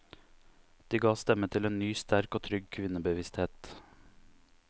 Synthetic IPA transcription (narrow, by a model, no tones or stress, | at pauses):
d̪̥iːɡɑːst̪ɛmət̪ʰɪleːnnyːst̪æɾkoːt̪ʰɾʏɡkʰʋɪnəbəʋɪst̪heːt̪